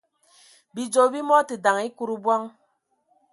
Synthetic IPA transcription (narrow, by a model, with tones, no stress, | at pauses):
bi˨d͡ʒo˨bi˦mɔ˦ti˨da˨ŋi˦ku˦ɾu˦˨bwa˦ŋ